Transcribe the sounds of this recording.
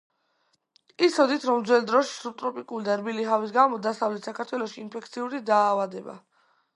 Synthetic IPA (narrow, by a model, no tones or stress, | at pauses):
isɔd̪it̪ʰɾɔmd̪zwɛld̪ɾɔʃi̥sub̚t̪ʼɾɔpʼikʼulid̪aɾbiliɦavis̬ɡamɔd̪asavlɛt̪ʰsakʰaɾt̪ʰwɛlɔʃiːnpʰɛk̚ʰt̪sʰiuɾid̪aːvad̪ɛba̰